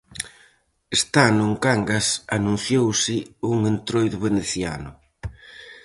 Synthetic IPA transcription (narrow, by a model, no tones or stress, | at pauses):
est̪anʊŋkaŋɡasanũn̟θjowsɪuŋent̪ɾojðʊβeneθja̰nʊ